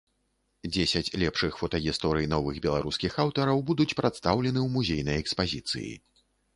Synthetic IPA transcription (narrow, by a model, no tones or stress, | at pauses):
d͡zʲesʲɐt͡sʲlʲɛpʂɨxfɔt̪ɐɣʲist̪ɔɾɨjn̪ɔvɨɣbʲɛlˠaɾuskʲixawt̪ɐɾɐwbud̪ut͡sʲpɾʔat̪st̪awlʲɛn̪ɨwmuzʲejnɐjɛkspazʲit̪sɨ̰jḭ